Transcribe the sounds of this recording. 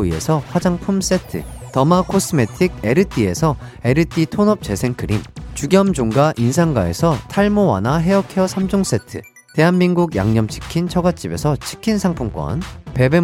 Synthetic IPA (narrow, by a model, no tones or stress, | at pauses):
ie̞̰sʰʌɸwad͡ʑaŋpʰums͈e̞tʰɯ̰tʌmakʰos͈ɯme̞tʰiɡ̚e̞ɾɯtʰie̞̰sʰʌe̞ɾɯtʰitʰonʌp̚t͡ɕe̞sʰe̞ŋkɯɾimt͡ɕuɡjʌmd͡ʑoŋɡaʔinsʰaŋɡae̞̰sʰʌtʰaɭmowa̰naɦe̞ʌkʰeʌsʰamd͡ʑoŋs͈e̞tʰɯ̰ | te̞ɦanminɡuɡja̰ŋɲʌmt͡ɕʰi̥kʰint͡ɕʰʌɡat͡ɕ͈ibe̞sʰʌt͡ɕʰi̥kʰinsʰaŋpʰumk͈ʌ̰npe̞be